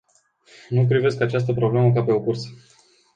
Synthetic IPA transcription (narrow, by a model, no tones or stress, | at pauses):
nup̬ɾive̞skat͡ʃas̬t̪əpɾo̞bleməkape̞okursə